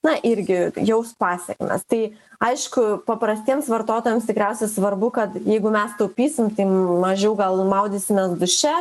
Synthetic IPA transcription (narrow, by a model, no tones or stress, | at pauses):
nɐʔɪɾʲɡʲɪjɛʊspɑːsʲɛkʲmʲɛ̰st̪ɐɪɐɪʃkʊpɐpɾɐsʲt̪ʲiɛmsʋɐrt̪oːt̪oːjɛmst̪ʲɪkɾʲæʊsʲɛsʋɐrbʊkɐt̪jɛɪɡʊmʲɛst̪ɐʊpʲiːsʲɪmt̪ɐɪmɐʒʲɛʊɡɐlˠmɐʊd̪ʲiːsʲɪmʲɛsd̪ʊʃʲɛ